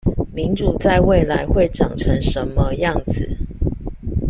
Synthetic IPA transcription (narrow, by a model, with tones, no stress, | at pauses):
mi˨˦ŋʈ͡ʂu˨˩t͡sa˥˧ɪwe˥˨ɪla˧˦ɪxwe˥˨ɪʈ͡ʂɑ̰˨˩ŋʈ͡ʂʰə˧˦ŋʂə˨˦nmə˧jɑ˥˨ŋd͡zɹ̩˨˩